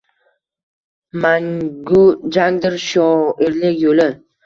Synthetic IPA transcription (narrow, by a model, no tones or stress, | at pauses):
maŋɡʊd͡ʒaŋd̪ɪɾʃɒɪɾlɪkʲjolɪ